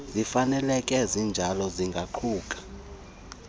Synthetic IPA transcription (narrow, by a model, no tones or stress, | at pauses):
zifanɛlɛkʼɛzind͡ʒʱalɔziŋɡʱaǃʰuːkʼḁ